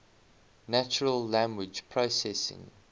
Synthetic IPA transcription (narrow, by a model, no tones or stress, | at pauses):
næt͡ʃəɹəlːæ̃ŋɡwɪd͡ʒpʰɹosɛsɪ̰̃ŋ